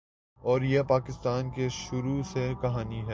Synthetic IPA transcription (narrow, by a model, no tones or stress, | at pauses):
ɔːɾjepaːkɪst̪aːnkeʃʊɾusekɐɦaːniɦɛː